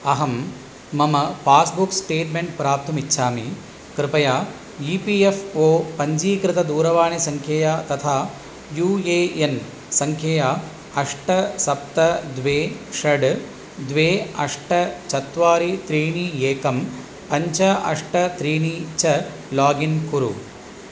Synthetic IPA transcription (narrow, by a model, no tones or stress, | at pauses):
ɐɦɐmː | ɐmɐpaːsbuksʈeːʈmeɳʈ̚pɾaːp̚t̪ɐmitːʃʰaːmi | kɾɪpɐjaː | jiːpiːefoːpɐɲd͡ʒiːkɾɪt̪ɐd̪uːɾɐʋaːɳisɐŋkʰjɐjaːt̪ɐt̪ʰaː | juːeːen | sɐŋkʰjɐjaː | ɐʂʈɐsɐp̚t̪ɐd̪ʋeːʂɐɖ | d̪ʋeːɐʂʈɐt͡ʃɐt̪ʋaːɾit̪ɾiːɳiːeːkɐm | pɐɲt͡ʃɐɐ̰ʂʈɐt̪ɾiːɳiːt͡ʃɐ | laːɡinkuɾṵ